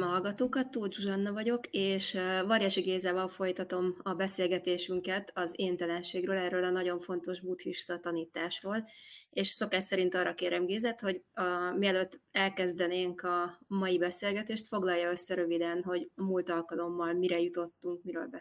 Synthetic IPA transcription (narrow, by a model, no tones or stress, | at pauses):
mɦɒlɡɒt̪oːkɒt̪ːuːld͡ʒuʒɒnːɒvɒɟo̞keːʃvɒɾjɛʃiɡeːzaːvɒlfo̞jt̪ɒt̪o̞mɒbɛseːlɡɛt̪eːʃyŋkɛt̪ɒzeːnt̪ɛlɛnʃeːɡrøːlɛrːøːlɒnɒɟo̞ɱfo̞n̪t̪o̞ʒbut̪hiʃt̪ɒt̪ɒniːt̪aːʃroːleːʃso̞kaːʃsɛɾint̪ɒːrːɒkeːɾʔɛmɡeːzɛt̪ho̞ɟmiɛløt̪ːɛlkɛzd̪ɛneːŋkɒmɒjibɛseːlɡɛt̪eːʃt̪fo̞ɡlɒjːɒø̞sːɛɾø̞vid̪ɛnɦo̞ɟɒmult̪ɒlkɒlo̞mːɒlmiɾɛjut̪o̞t̪ːuŋk̚miɾø̰ːlbɛ